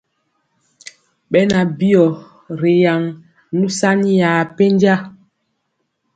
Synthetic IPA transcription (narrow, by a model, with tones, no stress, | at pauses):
ɓɛ˦na˨bi˦ɔ˨ | ɾe˨ja˨ŋ | nu˦sa˦ni˦jaː˨pe˦nd͡ʒa˦